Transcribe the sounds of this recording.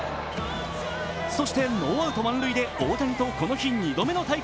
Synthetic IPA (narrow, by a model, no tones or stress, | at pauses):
so̞ɕi̥t̪e̞noːβaɯ̟t̪o̞mãnɾɯ̟id̪e̞oːt̪aɲ̟it̪o̞ko̞no̞çiɲ̟ːid̪o̞me̞not̪ai